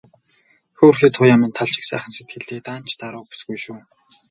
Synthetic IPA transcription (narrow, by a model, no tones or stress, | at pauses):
xoːrxiːt̪ʰʊːjamə̆nt̪ʰaɮt͡ɕɪ̥̆ksæ̰ːχə̆nset̪̚ɡɘ̆ɮt̪eːt̪aːn̥t͡ɕʰt̪aɾʊːpu̥sɡujʃuː